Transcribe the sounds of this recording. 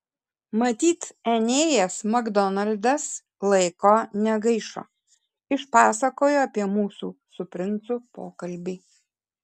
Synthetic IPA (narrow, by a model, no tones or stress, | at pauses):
mɐt̪ʲiːt̪ɛnʲeːjɛsmɐɡd̪ɔnɐlʲd̪ɐs | lˠɐɪkoːnʲɛɡɐɪʃo̰ː | ɪʃpɑːsɐkoːjoːɐpʲiɛmuːsuːsʊpʲɾʲɪnt̪sʊpoːkɐlʲbʲiː